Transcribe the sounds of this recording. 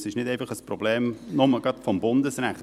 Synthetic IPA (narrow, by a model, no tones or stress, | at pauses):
sɪʃnɪteɪfɑχəsprob̥leːmnʊməɡɾɑtfɔmbʊndəsɾɛχt